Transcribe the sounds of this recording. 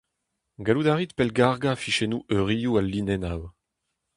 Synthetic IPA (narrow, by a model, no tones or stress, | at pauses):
ɡalud̪aʁit̪pɛlɡaʁɡafiʃenuʔøʁijualːinɛnaw